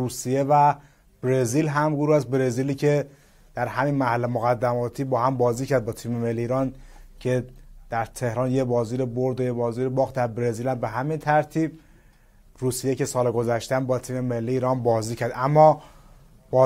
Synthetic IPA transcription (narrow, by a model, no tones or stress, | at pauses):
uːsije̞væ | b̥ɾeziːlɦæmɡoɾuhæst̪̚bɾeziːliːcʰe̞ | d̪̥æɾɦæmiːnmæhælːemoɣæd̪ːæmɒːt̪ʰiːbɒːhæmbɒːziːcʰæɾd̪̚bɒːt̪ʰiːmemelːiːiːɾɒːn | cʰe̞d̪̥æɾt̪ʰe̞hɾɒːnjebɒːziːɾeboɾd̪ojebɒːziːɾebɒːɣd̪æɾbɾeziːlæmbe̞ɦæmint̪ʰæɾt̪ʰiːb̚ | ruːsijecʰe̞sɒːleɡo̞zæʃt̪eæmbɒːt̪ʰiːme̞me̞lːiiːɾɒːnbɒːziːcʰæɾd̪ʔæmːɒː | b̥ɒː